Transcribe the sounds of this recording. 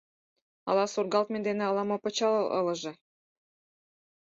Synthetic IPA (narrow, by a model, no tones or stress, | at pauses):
ɑ̰lɑsurɡɑlt̪̚mend̪enĕɑlˠɑmopɤ̆t͡ɕɑlɤʔɤ̰̆lɤ̆ʒĕ